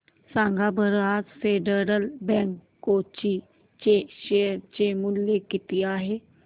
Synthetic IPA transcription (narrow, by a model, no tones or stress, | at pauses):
sãŋɡabʱəɾad͡zfeɖəɾəlbɛ̃ŋkːot͡ɕi | t͡ɕeɕeɾt͡ɕemuljekːit̪iaːɦe